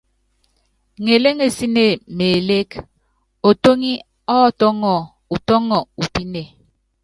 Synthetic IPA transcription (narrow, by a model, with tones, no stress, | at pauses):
ŋe˨le˦ŋe˨si˦ne˨me˨le˦k | o˨to˦ŋi˦ | ɔ˦˨tɔ˦ŋɔ˨ | u˨tɔ˦ŋɔ˨u˨pi˦ne˨